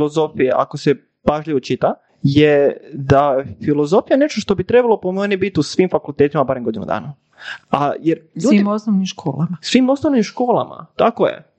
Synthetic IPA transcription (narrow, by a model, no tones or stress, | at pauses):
lozo̞fijeʔa̰kose | paʒliʋot͡ʃit̪a | jed̪afilozo̞fijane̞ʃt̪oʃt̪obit̪ɾebalopomenibit̪usʋimfakulˠt̪et̪imabaːɾemɡo̞d̪inṵd̪a̰ːna | ajeɾʎuːd̪imosnoʋnimʃkʰo̰ːlamasʋiːmo̞snoʋnimʃko̞ːlˠa̰ma̰t̪akojḛ